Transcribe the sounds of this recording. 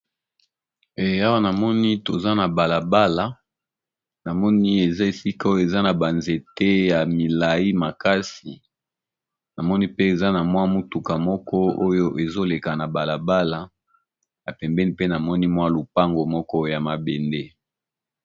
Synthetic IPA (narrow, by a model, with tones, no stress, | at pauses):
e˨a˦wa˦na˨mɔ˦ni˦to˨za˦na˨ba˨la˨ba˦la˨ | na˨mɔ˦ni˦e˨za˦e˨si˦ka˦o˦jo˦˨e˨za˦na˨ba˨nze˨te˦ja˨mi˨la˨ji˦ma˨ka˦si˨ | na˨mɔ˦ni˦pe˦e˨za˦na˨mwa˦mu˦tu˨ka˨mɔ˦kɔ˦o˦jo˦ʔe˨zo˦le˨ka˨na˨ba˨la˨ba˦la˨ | na˨pɛ˨mbɛ˦ni˦pe˦na˨mɔ˦ni˦mwa˦lu˨pa˦ŋɡo˨mɔ˦kɔ˦˨ja˨ma˨be˨nde˦